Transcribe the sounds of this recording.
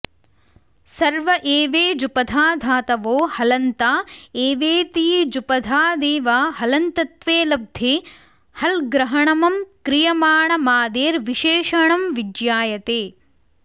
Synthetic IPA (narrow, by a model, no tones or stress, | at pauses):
sɐɾʋɐʔeːʋeːd͡ʒupɐd̪ʱaːd̪ʱaːt̪ɐʋoːhɐlɐnt̪aːeːʋeːt̪iːd͡ʒupɐd̪ʱaːd̪eːʋaːɦɐlɐnt̪ɐt̪ʋeːlɐb̚d̪ʱeː | hɐlɡɾɐɦɐɳɐmɐmkɾijɐmaːɳɐmaːd̪eːɾʋiʃeːʂɐɳɐmʋidjaːjɐt̪eː